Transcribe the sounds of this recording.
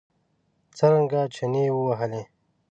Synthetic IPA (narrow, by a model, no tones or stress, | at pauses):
t͡səɾəŋɡat͡ʃʰɐnewəwɐɦəle